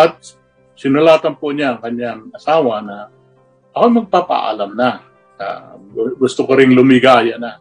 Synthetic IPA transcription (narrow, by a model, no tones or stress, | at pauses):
ʔɐt̪̚ | sɪnʊlaːt̪ɐnpoɲaɐŋkɐɲːaŋʔɐsaːwɐna | ʔɐkojmɐɡ̚paːpa̰ʔa̰lamna | ka̰ɡʊst̪ʊkoɾɪŋlʊmɪɡaːjana